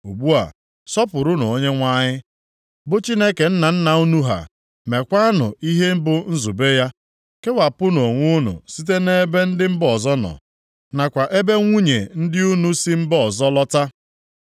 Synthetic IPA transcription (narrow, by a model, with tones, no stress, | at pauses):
u˨ɡ͡bu˦a̰˨ | sɔ˦pʊ˨ɾʊ˦no̰˨o˦ɲe˦ŋʷa˦ɲɪ˦ | bʊ˦t͡ʃi˦ne˦ke˨n̩˦na˨n̩˦na˨u˦nu˦ɦa̰˨ | me˨kʷa˦a˦nʊ̰˨i˦ɦe˦m̩˦bʊ˦n̩˦zu˨be˦ja˦ | ke˦wa˨pʊ˦no˨ŋʷʊ˦nʊ̰˨si˦t̬e˦ne˦be˦n̩˦dɪ˦m̩˦bɔ˨zɔ˦nɔ̰˨ | na˨kʷa˨ʔe˦be˦ŋʷu˦ɲḛ˨n̩˦dɪ˦u˦nu˦si˦m̩˦bɔ˦ɔ˨zɔ˦lɔ˦ta˦